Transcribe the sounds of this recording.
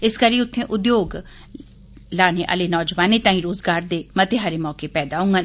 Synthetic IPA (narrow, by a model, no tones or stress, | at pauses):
ɪskəɾiːʊt̪ʰːẽːʔʊd̪joːɡ | laːneːʔa̰ːleːnɔːd͡ʒʋaːneːt̪ãːĩːɾoːzɡaːɾd̪eːmət̪eɦaːɾeːmɔːkeːpɛːd̪aːɦʊ̃ŋɡan